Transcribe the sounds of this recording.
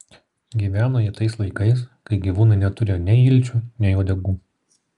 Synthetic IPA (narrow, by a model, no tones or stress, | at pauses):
ɡʲiːʋʲæːnoːit̪ɐɪslˠɐɪkɐɪskɐɪɡʲiːʋuːnɐɪnʲɛt̪ʊɾʲeːjoːnʲɛilʲt͡ʃʲuːnʲɛjoːd̪ʲɛɡuː